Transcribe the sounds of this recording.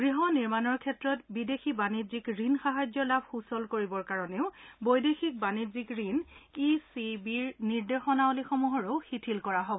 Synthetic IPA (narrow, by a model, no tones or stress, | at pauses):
ɡɹiɦɔniɹmanɔɹkʰɛtɹɔtbidexibanizikɹinxaɦad͡ʑjɔlabxusɔlkoɹibɔɹkaɹɔneʊbojdexik̚banizikɹinisibiɹniɹdexɔnaolixɔmuɦɔɹʊxitʰilkɔɹaɦɔbɔ